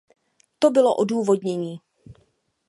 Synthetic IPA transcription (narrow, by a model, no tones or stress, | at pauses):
t̪obɪlo̰ʔoduːvo̞dɲɛɲiː